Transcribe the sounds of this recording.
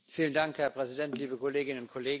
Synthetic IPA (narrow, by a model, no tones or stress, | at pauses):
fiːləndaŋkhɛɐpʁ̥ɛzidɛntliːbəkʰɔleːɡɪnənʊnt̚kʰɔleːɡ